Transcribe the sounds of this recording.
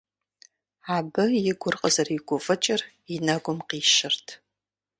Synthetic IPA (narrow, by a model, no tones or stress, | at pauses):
aːbɨjɪɡʷʊrqʼəzɐriɡʷʊfʼɐt͡ʃʼɪr | inɐɡʷʊmqiːʃɪrtʰ